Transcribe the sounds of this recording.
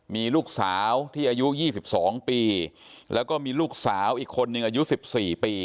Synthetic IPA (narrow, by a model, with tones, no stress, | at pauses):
miː˧luː˥˩k̚saː˩˦wt̪ʰiː˥˩ʔa˧ju˦˥jiː˥˩si˨˩p̚sɔː˩˦ŋpiː˧ | lʔɛ̰ː˦˥wkɔː˥˩miː˧luː˥˩k̚saː˩˦wʔiː˨˩kʰːo˧nːɯ˧ŋʔaː˧ju˦˥si˨˩p̚siː˨˩piː˧